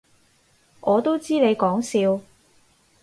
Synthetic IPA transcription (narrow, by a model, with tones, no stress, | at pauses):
ʔɔː˨˧t̪o˥wt͡siː˥ne˨˧jkɔː˨˥ŋsiː˨˧w